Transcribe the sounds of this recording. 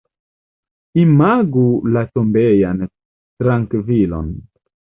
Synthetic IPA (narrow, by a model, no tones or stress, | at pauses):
imaɡulatombejan | tɾaŋkvilo̰n